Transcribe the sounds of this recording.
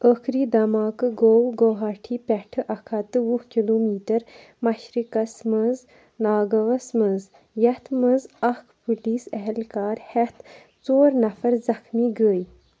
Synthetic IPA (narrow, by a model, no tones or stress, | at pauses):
əkʰɾiːd̪ɐmaːkɨɡoːwɡoːɦaːʈʰiːpʲɛʈʰɨʔɐkʰɐt̪ɨwuhkiloːmiːʈɐɾ | mɐʃɾikɐsməz | naːɡɐʋɐsməz | jɐt̪ʰməzɐkʰpɨliːsɛɦɛlkaːɾhɛt̪ʰ | t͡soːɾnɐfɐɾzɐxmiːɡəːj